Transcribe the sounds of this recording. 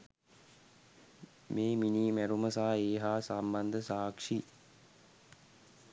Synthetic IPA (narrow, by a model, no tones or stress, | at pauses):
meːminiːmæɾuməsaːeːɦaːsamband̪əsaːkʂi